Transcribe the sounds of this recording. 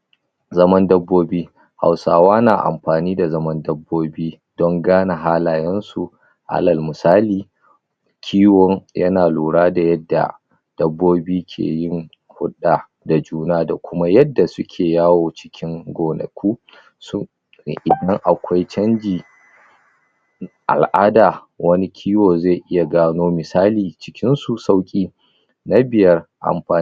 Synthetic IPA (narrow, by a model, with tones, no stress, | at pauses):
zɐ˦mɐ˦ndɐ˦bːoː˦biː˦ | ha̰˨wsaː˨waː˦naː˨ʔa̰˨mɸaː˨niː˦da˨zɐ˦mɐ˦ndɐ˦bːoː˦biː˦ | d̥ɔ˦ŋɡaː˦na˨ɦaː˦laː˨jɛ˦nsu˨ | ʔa̰˦lɐ˨lmʊ˨saː˦liː˨ | kʲʰiː˦wɔ˦ŋjɐ˦naː˨luː˨ɽaː˦da˨jɐ˦dːa̰˨ | d̥ɐ˦bːoː˦biː˦kʲʰḛː˨jɪ˦ŋ | hʊ˦ɗa˨ | da˨d͡ʒuː˦naː˦da˨kʷʊ˦ma˦jɐ˦dːa˨sʊ˦kʲʰeː˨jaː˦woː˨t͡ʃɪ̥˦kʲʰɪ˦ŋɡʷoː˨nɐ̰˨kʷʰuː˦ | sʊ˦˨ | ʔɪ˨dɐ˦ŋʔa˨kʷa˦jt͡ʃɐ˦nd͡ʒiː˨ | ʔa̰˨lʔaː˦daː˨ | wɐ˦ni˦kʲʰiː˦woː˨ze˦˨jʔɪ˦ja˨ɡaː˦noː˦mɪ˨saː˦liː˨t͡ʃɪ̥˦kʲɪ˦nsu˨sa˦wkʲʼiː˦ | na˦bɪ˨jɐ˦rʔa̰˨mɸaː˨˦